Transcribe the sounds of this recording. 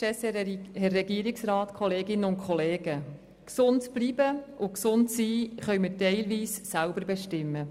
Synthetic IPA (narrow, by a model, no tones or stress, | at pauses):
ɛshɛrːɛɡiəɾɪksɾɑːtkʰɔleːɡɪnəʊntkʰχɔleːɡ̥ə | ksʊntb̥liːb̥əʊksʊntsiːχœɥməɾtɛɪlʋiːsːælbəɾbɛʃtɪmːə